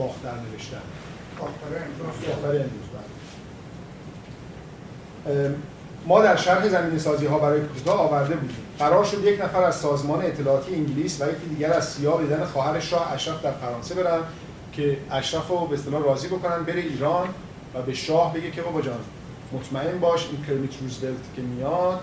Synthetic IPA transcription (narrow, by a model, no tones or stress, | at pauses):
bɒːxt̪æɾne̞veʃt̪æ̰n | bxt̪æɾenuzɒxt̪æɾeenɾuzbæ̰le | mɒːd̪æɾʃæɾhezæmiːne̞sɒːziːɦɒːbæɾɒːjekʰuut̪ʰɒːvæɾd̪e̞buːd̪ḭːmɢæɾɒːɾʃo̞d̪je̞cnæfæɾæzsɒːzmɒːneːt̪ʰːelɒːt̪ʰijeiŋɟiliːsvæje̞cʰiːd̪iːɟæɾæzsijɒːbeːd̪ænexɒːɦæɾeʃɾɒːhæʃɾæfd̪æɾfæɾɒːnse̞be̞ɾævd̪ | cʰe̞æʃɾæfobeest̪e̞lɒːhɾɒːziːbo̞ko̞næn̚be̞ɾeiːɾɒːn | væbe̞ʃɒːhbe̞ɡe̞cʰebɒbɒd͡ʒɒːn | mot̪ʰmæe̞nbɒːʃḭːnkʰeɾimit̪ʰɾuzbelt̪cʰʲe̞mijɒd̪̥